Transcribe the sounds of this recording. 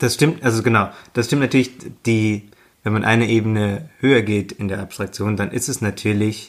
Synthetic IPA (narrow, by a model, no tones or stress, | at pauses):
d̥asʃtɪmtʔalzoɡənaʊd̥asʃtɪmtnatyːɐlɪçd̥iː | vɛnmanʔa̰ɪnəʔeːbənəhøːɐɡeːtɪndeːɐʔapstʁ̥ak̚t͡sjoːndanʔɪ̰stɛsnatʰyːɐlɪç